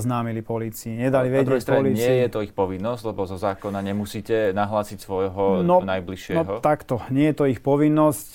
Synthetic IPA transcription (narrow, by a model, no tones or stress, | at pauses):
znaːmilipɔliːt͡siiɲɛd̪aliʋɛɟ̪ɾɛɛst̪ɾpaɔliːɪɛiɛjɛt̪ɔixpɔʋinːɔsclɛbɔzɔzaːkɔnaɲɛmusiːcɛnaɦlaːsicsʋɔjɦɔnɔnajbliʃɪɛɔɦɔt̪akt̪ɔɲɪɛjɛt̪ɔixpɔʋinːɔsc